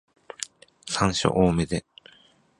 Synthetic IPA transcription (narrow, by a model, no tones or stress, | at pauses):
sãɰ̃ɕo̰ʔoːmed̪e